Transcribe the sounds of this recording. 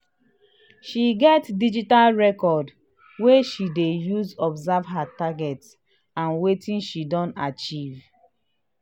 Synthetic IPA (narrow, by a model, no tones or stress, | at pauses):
ʃiɡɛtdid͡ʒitalɹɛkɔd | weʃidejuzɔbzavɦataɡɛt | ãnwetĩnʃidɔ̃ntat͡ʃiv